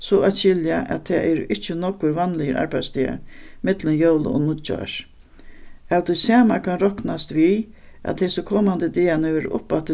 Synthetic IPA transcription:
sɔʔaʃɪljaʔæ̰t̪ʰɛːʔɛɾɪht͡ʃɪnɔkːʊɾʋanlɪjəɾa̰ɾbaj̪st̪ia̰ɾmɪt̪lənjowl̰ɔ̰nʊt͡ʃɔ̰ɹ | awt̪ʰʊjsaːmakʰanɾɔknast̪ʋi | ɛ̰t̪hɛsʊkʰɔːmand̪əd̪iːanɪʋɛɾ̰ʔʊ̰pːat̪ɪ

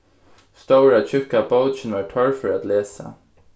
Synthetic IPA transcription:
st̪owɹat͡ɕʰʏkaboʊt͡ʃɪnʋaɹt̪ʰɔɹfɔɹat̪leːsa̰

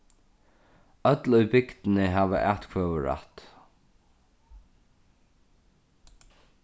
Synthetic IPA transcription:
œt̪lʊjbɪkt̪ɪnɪɦæːʋə̰ʔæːt̪kʰvœːwəɹa̰t̪

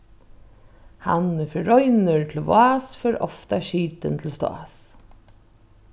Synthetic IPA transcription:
ha̰nɪfəɹɔʏnəɹt̪ʰl̩ʋʊaːsfœɾɔ̰ft̪aʃiːt̪ə̰nt̪ʰl̩st̪o̰a̰s

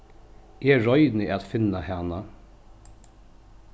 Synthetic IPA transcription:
ʔeːɹɔʏd̪n̩iːʔɑt̪fɪnɑhæːnɑ

